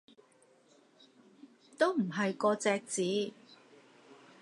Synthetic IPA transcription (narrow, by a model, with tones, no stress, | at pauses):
t̪o˥wm̩˨˩ɦɐ˨jkɔː˧t͡sɛː˨˧k̚t͡siː˨˥